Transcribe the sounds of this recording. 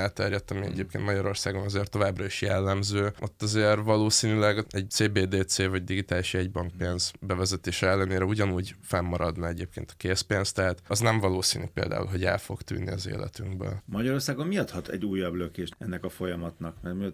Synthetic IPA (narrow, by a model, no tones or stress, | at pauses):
aːlt̪ɛrjɛt̪ːɒmiɛ̰ɟeːp̚kḛnt̪mɒɟɒɾo̞rsaːɡo̞nɒzeːrt̪ːo̞vaːbrɒiʃjɛlːɛmzøːʔo̞t̪ːɒzeːrvɒloːsiːnylɛɡɛɟ̚t̪seːbeːd̪eːseːvɒɟd̪iɡit̪aːliʃɛɟbɒŋk̚peːnzbɛvɛzɛt̪eːʃɛɛlːɛneːɾɛuɟɒnuːɟfɛmːɒɾɒd̪nɒɛɟeːp̚kḛːnt̪ɒ̥keːspeːnst̪ɛɦaːt̪ɒznɛɱvɒloːsiːnipḛːld̪a̰ːṵlɦo̞ɟɛ̰lfo̞̰ɡt̪y̰ːnːḭɒ̰zḛːlʔɛ̰t̪yŋɡbø̰lmɒɟɒɾo̞rsaːɡommijɒt̪hɒt̪ʰɛ̰ɟːuːjːɒbløkeːʃt̪ɛnːɛkɒfo̞jɒmɒt̪nɒkmɛrmiɒt̪